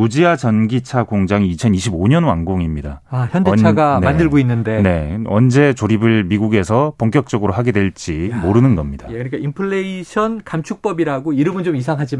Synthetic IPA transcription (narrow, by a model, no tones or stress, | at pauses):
ud͡ʑiad͡ʑʌnɡit͡ɕʰaɡoŋd͡ʑaŋiːt͡ɕʰʌniɕʰiboɲʌnwa̰ŋɡoŋimɲida̰açjʌndeaɡanmandɯɭɡoinːɯnde̞ne̞ʌnd͡ʑe̞t͡ɕoɾibɯɭmiɡuɡe̞sʰʌpoŋk͈jʌk̚t͡ɕ͈ʌɡɯɾoɦaɡe̞dwe̞ɭt͡ɕ͈imoɾɯnɯnɡʌmɲid̥akɯɾik͈aimpʰɯɭːeiɕʰʌnkamt͡ɕʰuk̚p͈ʌbiɾaɡoiɾɯmɯnt͡ɕomisʰaŋɦad͡ʑi